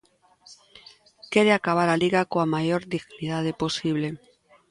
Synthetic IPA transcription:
keɾeakaβ̞aɾaliɣakoamajoɾðiɣniðað̞eposiβle

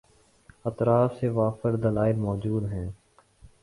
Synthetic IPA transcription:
ət̪ɾaːfseʋaːfəɾd̪əlaːɪlmɔːd͡ʒuːd̪ɦɛ̃ː

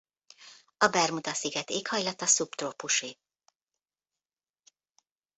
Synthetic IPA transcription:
ɒbɛrmud̪ɒsiɡɛt̪eːkhɒjlɒt̪ɒsupt̪ropuʃi

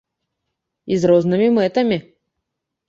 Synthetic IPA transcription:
izɾɔznɨmʲimɛt̪ɐmʲi

